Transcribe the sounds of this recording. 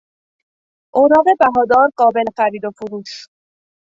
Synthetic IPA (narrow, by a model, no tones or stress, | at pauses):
ʔoːɾɒːɣe̞bæɦɒːd̪ɒːɾɢɒːbe̞lexæɾiːd̪o̞fuɾuːʃ